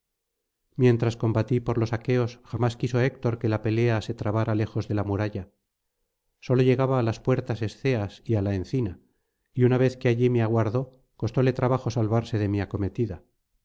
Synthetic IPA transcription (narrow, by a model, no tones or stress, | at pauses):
mje̞nt̪ɾasko̞mbat̪ipo̞ɾlo̞sake̞o̞sxamaskiso̞ek̚t̪o̞ɾke̞lape̞le̞ase̞t̪ɾaβaɾale̞xo̞zðe̞lamuɾaʝa | so̞lo̞ʝe̞ɣaβaːlaspwe̞ɾt̪ase̞sθe̞asialaenθina | iunaβ̞e̞θkeaʎimeaɣ̞waɾðo̞ | ko̞st̪o̞le̞t̪ɾaβaxo̞salβaɾse̞ðe̞miako̞me̞t̪iða